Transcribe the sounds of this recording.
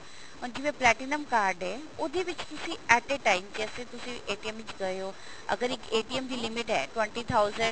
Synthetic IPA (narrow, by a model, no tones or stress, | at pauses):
ʊnd͡ʑɪʋẽplɛːʈɪnəmkaːɾɖɦɛːʊd̪ʱiʋɪt͡ɕt̪ʊsiɛːʈeʈaːɪmd͡ʑɛːset̪ʊsiʔeːʈiemɪt͡ɕɡɐjoː | ɐ̰ɡəɾɪkeːʈiəmd͡ʑiːlɪmɪʈɦɛːʈwẽɳʈit̪ʰaʊzə̃ɳɖ